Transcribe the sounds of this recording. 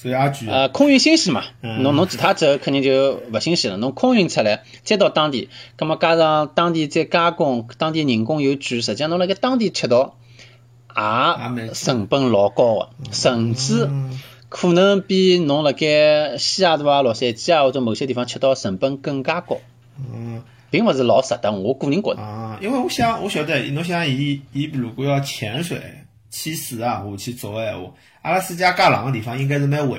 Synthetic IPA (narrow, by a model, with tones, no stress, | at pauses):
ə˧kʰʊ˥˧ŋy˥˧nɕi˥ŋʂɻ̩˧˥ma̰˨˩nʊ˧˥ŋnʊ˧˥ŋt͡sɻ̩˨˩t̪ʰa˥ʈ͡ʂə˧˥kʰnt̪i˧ŋt͡ɕjo˧˩wə˨˩ɕi˥ŋʂɻ̩˧˩lə̰˧˨nʊ˧˥ŋkʰʊ˥˧ŋy˥˧nt͡ɕʰi˧˩la˧˥ɪt͡ɕjɛ˥t̪ɑ˥˧ʊt̪ɑ˥ŋt̪i˥˩ka˥m˧ka˥ɑ˥˧t̪ɑ˥ŋt̪i˥˧t͡ɕɛ˥˩ka˥kʊ˥˩ŋt̪ɑ˥ŋt̪i˥˧ni˧˩ŋkʊ˥˧ŋjo˧˥ʈ͡ʂɻ̩˧˥ʂ̬ə˨˩˧nʊ˧˥ŋlə˧ke˥t̪ɑ˥ŋt̪i˥˧t͡ɕʰɛ˧˩t̪ɔ˥ | a˧˥sə˨˩ŋpə˥nlɔ˧˥kɔ̰˥˧˩ʂə˨˩ŋt͡sɹ̩˥ | kʰu˨˩nə˥npi˧˥nʊ˧˥ŋlə˨˧ke˥ɕja˥˩d̪u˧˥a˧lwɔ˨˩ʂə˥˩ɛ˧˩t͡ɕja˥˩wɔ˧˩t͡so˧˩mo˨˩ʊɕjɛ˥t̪i˥˩fɑ˧t͡ɕʰɛ˧˥˩t̪ɔ˥˧ʂə˨˩ŋpə˥nkə˥˩ŋka˥kɔ̰˨˩˧ | pi˧˥ŋwɔ˧t͡s̩˥˩˨lɔ˧˥sa˨˩t̪a˥˧˩nwɔ˧˥ku˧˥ni˧˥ŋkwɔ̰˨˩d̪i˥nwe˥˧ɪwɔ˧˥ɕjɑ˥ŋwɔ˧˥ɕɔ˨˧˥t͡sa̰˥˩˧no˧˥ŋɕ̬ɑ˥ŋi˧˥i˧˥plu˨˩ku˧jɑ˥˧˩t͡ɕʰjɛ˧˥nʂwḛ˨˧˩ɪ | t͡ɕʰi˧˥sɹ̩˨˧˩a˧˩˨t͡ɕʰi˧˥t͡so˧˦e˧˩wɔ̰˨˩ | a˥˧la˧˥s̩˥t͡ɕja˥ka˥˩lɑ̰˨˩ŋə˧t̪̬i˥˩fɑ˧ŋi˥ŋka˥ɪʂ̬̩˥˧me˧˥˧we˨˩